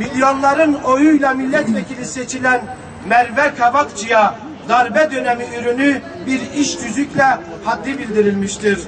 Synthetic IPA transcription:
milʲjo̞nlˠaɾɯno̞jujlˠamilʲːɛt̪vɛcʰilʲiset͡ʃʰilʲæn | mɛlvɛkʰavakt͡ʃʰija | d̪aɾbɛd̪ø̞nemiyɾyny | biɾiʃɟ̪yzyclʲɛ | had̪ːibilʲd̪iɾilʲmiʃt̪ʰiɾ̥

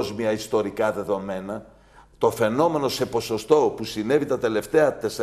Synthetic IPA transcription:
zmiɐist̪o̞ɾikɐðe̞ðo̞me̞nɐ | t̪o̞fe̞no̞me̞no̞se̞po̞so̞st̪o̞pusine̞vit̪ɐt̪e̞le̞ft̪e̞ɐt̪es

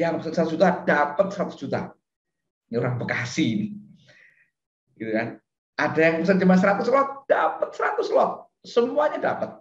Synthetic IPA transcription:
jaŋpəsənsəɾat̪ʊsd͡ʒut̪ad̥apət̪̚səɾat̪ʊsd͡ʒut̪a̰ | nioɾaŋbəkasini | ɡ̥it̪ukan | ʔadajaŋpəsand͡ʒəmansəɾat̪ʊslɔk̚d̥apət̪̚səɾat̪ʊslɔk̚ | səmuaɲadapət̪̚

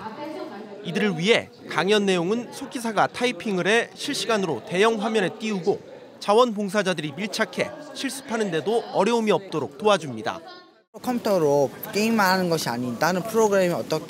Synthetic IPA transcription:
idɯɾɯɭɥiɦe̞̰ | kaŋjʌnːe̞joŋɯnsʰokʰisʰaɡatʰaipʰiŋɯɾe̞ɕʰiɭɕ͈iɡanɯɾote̞jʌŋɸwamjʌne̞t͈iuɡo | t͡ɕawʌnpoŋs̬ʰad͡ʑadɯɾipiɭt͡ɕʰakʰe̞̰ɕʰiɭs͈u̥pʰanɯnde̞doʌɾjʌumiʌp̚t͈oɾok̚t͈oad͡ʑumɲida̰ | kʰʌmpʰtʰʌɾok͈eimaɦanɯnɡʌɕʰiaɲindanɯnpʰɯɾoɡɯɾe̞miʌt͈ʌkʰ

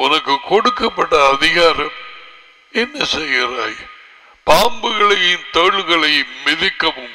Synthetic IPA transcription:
ʊnɐkːɯkːɔɽɯkːɐpːɐʈːɐːðɪɣaːɾɐm | ɛnːɐsɛjːɪɾaːj | paːmbɯɣɐɭɐjɪnt̪ɐɭɣɐɭɐjːɪðɪkːɐmɯm

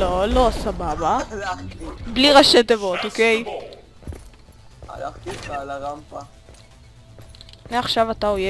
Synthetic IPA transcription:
lolosababa | bliʁaʃet̪evot̪okej | a̰la̰χt̪ibalaʁampa | neaχʃavat̪aoje

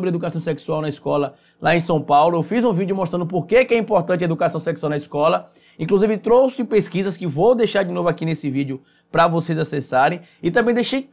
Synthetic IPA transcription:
bɪɾɪed̪ukasɐ̃w̃sɛksuawnɐiskɔlɐ | laẽsɐ̃w̃pawlʊewfizũvid͡ʒjʊmost̪ɾɐ̃nd̪ʊp̬oɾkekɪɛĩmpoɾt̪ɐ̃t͡ʃɪɐed̪ukasɐ̃w̃sɛksuawnɐiskɔlɐ | ĩkluzivɪt̪ɾosʊɪpeskizɐskɪvowd̪ejʃaɾd͡ʒɪnovʊakinesɪvid͡ʒjʊ | pɾɐvosejzasɛsaɾẽj̃ | ɪt̪ɐ̃bẽj̃d̪ejʃej

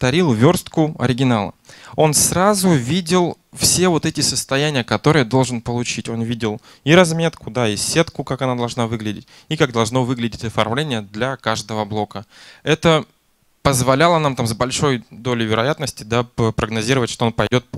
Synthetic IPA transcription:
t̪ɐɾʲilˠvʲo̞rst̪kʊɐ̰ɾʲɪɡʲɪnalˠə̰o̞nsɾazʊvʲidʲɪlˠ | fsʲe̞vo̞t̪ɛtʲɪsəst̪ɐjænʲɪjəkɐt̪o̞ɾɨjəd̪o̞lˠʐɨnpəlˠʊt͡ɕitʲo̞nvʲidʲɪlˠ | iɾɐzmʲe̞t̪kʊd̪aisʲe̞t̪kʊkakɐnad̪ɐlˠʐnavɨɡlʲɪdʲɪ̰tʲ | ikaɡ̚d̪ɐlˠʐno̞vɨɡlʲɪdʲɪtʲɐfɐrmlʲenʲɪjəd̪lʲɐkaʐd̪əvəblˠo̞kəɛt̪ə | pəzvɐlʲalˠənamt̪amzbɐlʲʂo̞jd̪o̞lʲɪvʲɪɾɐjat̪nəsʲtʲɪd̪apɾəɡnɐzʲiɾəvətʲʂt̪oonpɐjdʲo̞t̪̚

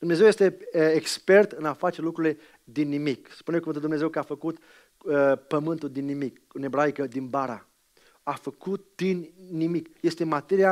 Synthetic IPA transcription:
d̪umne̞zewjest̪e̞ekspe̞rt̪ɨnafat͡ʃe̞lukɾuɾile̞ | d̪inːimikspunekuvɨnt̪ld̪umnezewkəafəkut̪ | əpəmɨnt̪uld̪inːimik | ɨne̞bɾajkəd̪inbaɾa̰ | afəkut̪̚d̪̥inːimikje̞st̪emat̪eɾia

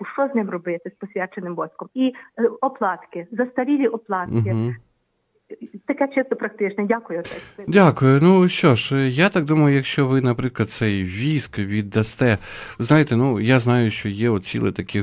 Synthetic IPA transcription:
ʊʃt͡ʃɔznɪmrɔbɪt̪ɪspɔsʲʋʲɛt͡ʃenɪmbɔsʲkɔmiɔplˠɑt̪kɪzɐst̪ɐɾʲiʋʲiʔɔplˠɑt̪̩ɦkɪ | t̪ɐkɛt͡ʃɪst̪ɔpɾɐk̚t̪ɪt͡ʃnɛdʲakʊjʊt̪ɛdʲakʊjʊnuʃt͡ʃɔʃjat̪ɑk̚d̪umɐjʊjɐkʃt͡ʃɔʋɪnɐpɾɪklˠɐd̪̚sɛjʋʲiskʋʲid̪ːɐst̪ɛʋznɑjɪt̪ɛnujaznɑjʊʃt͡ʃɔjɛɔt̪̚t͡sʲḭlˠɪ̰t̪ɐkʰɪ

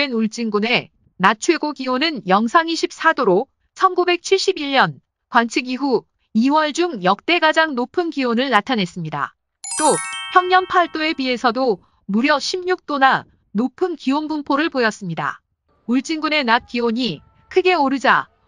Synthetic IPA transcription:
enuɭt͡ɕ͈iŋɡune̞ | nat͡ɕʰwe̞ɡoɡiwonɯnjʌŋsʰaŋiɕʰip̚s͈adoɾo | t͡ɕʰʌnɡube̞k̚t͡ɕʰiɭɕ͈ibiɭːʌn | kwant͡ɕʰɯɡiɦu | iwʌɭd͡ʑuŋjʌk̚t͈e̞ɡad͡ʑaŋnopʰɯnkiwonɯɭnatʰanɦe̞s͈ɯmɲida̰ | t͈opʰjʌŋɲʌnpʰaɭt͈oe̞bie̞sʰʌdo | muɾjʌɕʰimɲuk̚t͈ona | nopʰɯnkionbumpʰoɾɯɭpojʌs͈ɯmɲida̰ | uɭt͡ɕ͈iŋɡune̞nat̚k͈iwoɲi | kʰɯɡe̞oɾɯd͡ʑa

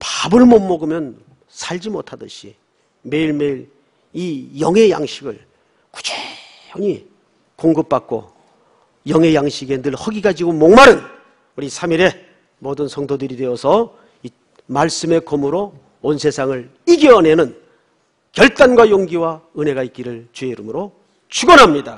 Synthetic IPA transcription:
pabɯɭmomːʌɡɯmjʌn | sʰaʎd͡ʑimotʰadɯɕʰḭ | me̞iɭmeiɾ | ijʌŋɦe̞ja̰ŋɕʰiɡɯɭ | ku̥d͡ʑe | oɲi | koŋɡɯp̚p͈ak͈̚o̰ | jʌŋɦe̞jaŋɕʰiɡendɯɭhʌɡiɡad͡ʑiɡomoŋmaɾɯn | uɾisʰamiɾe̞ | modɯnsʰʌŋdodɯɾidwe̞ʌsʰʌ | i | maɭs͈ɯme̞komɯɾo | onsʰe̞sʰaŋɯɭ | iɡiʌne̞nɯn | kjʌɭt͈anɡwajoŋɡiwaɯne̞ɡait̚k͈iɾɯɭt͡ɕweiɾɯmɯɾo | t͡ɕʰuɡʌnɦamɲida

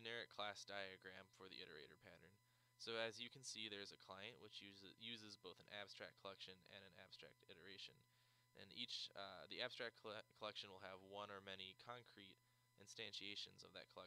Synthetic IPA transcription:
ɨnɛɹɨkʰl̥æsd̥aɪɨɡɹæ̃ɱfə˞ðḭʔɪɾə̰˞ḛɪɾə̰˞pʰæɾə̰̃˞n | soʊɨzjɨkʰn̩siðə˞zɨkʰl̥aɪɨ̃nʔwət͡ʃjʉzɨzboʊθn̩æ̰b̥stɹ̥æ̰k̚kʰəlˠɛkʃɨ̃nɨ̰̃nɨ̃næ̰b̥stɹ̥æ̰k̚tɪɾə˞eɪʃɨ̰̃n | ʔɨ̰̃nit͡ʃðiæb̥stɹ̥æk̚kʰkʰəlɛkʃɨ̃n̩wəlˠɨvwʌ̃nə˞mɛnikʰɑ̃ŋkʰɹ̥iɾ | ʔɨ̃nstæ̃nʃieɪʃɨ̰̃nzʌ̰vðɨ̰t̚kʰəlɛ

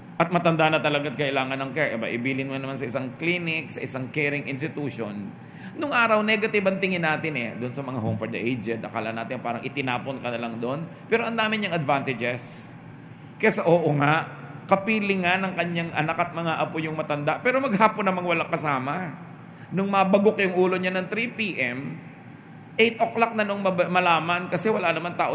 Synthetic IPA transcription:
ʔɐt̪̚mɐt̪ɐnd̪anɐt̪ɐlɐɡat̪kɐʔɪlaːŋɐnːɐŋkɛɹʔɛba̰ʔɪbiːlɪnŋanɐmansɐɪsaŋkliːnɪksɐʔɪsaŋkɛːɾɪŋʔɪns̬t̪ɪt̪uːʃon | nʊŋʔaːɾɐwnɛɡɐt̪ɪbɐŋt̪ɪŋɪnaːt̪ɪnɛ̰d̪ʊnsɐmɐŋaɦowmfoɹd̪ɐʔejd͡ʒɛnt̪̚ʔɐ̰ka̰ːlɐnaːt̪ɪnpaːɾɐŋʔɪt̪ɪnaːponkɐnɐlɐŋd̪oʔon | pɛːɾoʔɐnd̪aːmɪɲɐŋɐd̪vant̪ɪd͡ʒɛs | kɐsaʔoːʔoŋaʔ | kɐpiːlɪŋanɐŋkɐɲːaŋʔɐ̰nakɐt̪̚mɐŋaʔɐpojʊŋmɐt̪ɐnd̪aʔpɛːɾo̞mɐɡ̚haːponːɐmaŋwɐlakɐsaːmɐ | nʊŋmɐbɐɡokjʊŋʔuːlo̞ɲanɐŋt̪ɾipiːʔɛm | ʔɛjt̪̚ʔoklak̚nɐnoŋmɐmɐlaːmɐnkɐsɛwɐlanɐmant̪aːʔo

